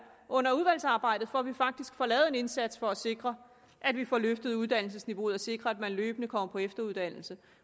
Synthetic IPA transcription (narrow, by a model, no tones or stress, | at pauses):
ɔ̽n̰ɐuðˠʋæl̰sɑ̈ːb̥ɑ̈ɪ̰d̥ð̩ˠfɒʋifɑ̈ɡ̥̚d̥isɡ̥fɒ̽lɛːð̩ˠe̝ne̝nsæd̥sfɒ̽æse̝ɡ̥ʁɐ | ʔæd̥ʋifɒløfd̥əð̞̩ˠuð̞ˠd̥æn̰l̩səsniʋo̝ːð̩ˠɒse̝ɡ̥ʁɐæd̥mænlø̰ːb̥ənəkʰɒ̽m̰ɐpʰɒ̽efd̥ɐuðˠd̥æn̰l̩sə